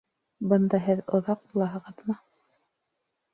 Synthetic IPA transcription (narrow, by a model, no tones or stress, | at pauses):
bɤ̆nd̪ɑɦɘðŏðɑq̚bulˠɑɦɤ̆ʁɤðmɤ